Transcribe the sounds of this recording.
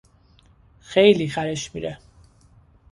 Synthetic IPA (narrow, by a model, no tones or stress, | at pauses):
χɛjliχaɾɛʃmiɾɛ